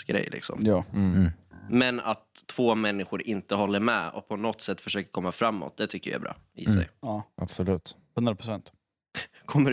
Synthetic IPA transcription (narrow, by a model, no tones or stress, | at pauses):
ɡɾɛ̰jlɪ̰ksɔ̰mjɑː | mɛna̰t̪ʰːv̥oːmɛnːɪɧʊɾɪnt̪əɦɔlːəɾmɛɔ̰k̚pʰɔnɔt̪sɛt̪ːfœʂøːkəɾkʰɔmːafɾamːɔ̰t̪̚d̪ɛt̪ʰʏkːəja̰ɾbɾɑ̰ː | ɪ̰sɛ̰jɑːʔa̰bsɔlʉ̟ːt̪ | hɵnɾapʰɾʊsɛnt̪ | kʰɔmːə